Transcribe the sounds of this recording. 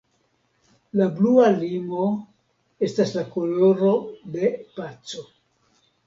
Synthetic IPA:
lablualimo̞ | e̞staslako̞lo̞ɾo̞de̞pat͡so̞

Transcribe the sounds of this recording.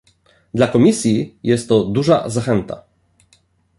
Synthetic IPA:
d̪lakɔmʲisʲjijɛst̪ːɔd̪uʐa̰zaxɛnt̪a̰

